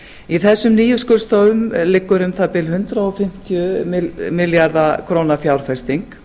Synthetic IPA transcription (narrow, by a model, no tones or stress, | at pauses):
iθɛsːʏmniːjʏskʏɾ̥st̪oːwvʏmlɪkːʏɾʏmθap̪ɪlɦʏnt̪ɾaɔfɪm̥t̪ʰjʏmɪmɪljaɾðakʰɾoːwnafjawɾ̥fɛ̥st̪iŋk